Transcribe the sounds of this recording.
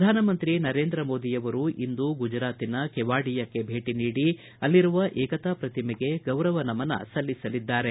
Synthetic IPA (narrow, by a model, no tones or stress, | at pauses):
d̪ʱaːnɐmɐnt̪ɾinɐɾe̞ːnd̪ɾɐmoːd̪ijɐʋɐɾuʔind̪uɡud͡ʒɾaːt̪inɐkɛʋaːɽijɐkːe̞bʱe̞ːʈiniːɽi | ɐlːiɾuʋɐʔɛːkɐt̪apɾɐt̪imɛɡe̞ɡɐwɾɐʋɐnɐmɐnɐ̰sɐlːisɐlid̪ːaːɾe